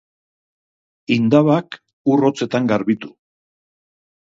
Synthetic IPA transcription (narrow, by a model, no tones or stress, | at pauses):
ind̪aβak | uro̞t͡se̞t̪aŋɡaɾβit̪u̥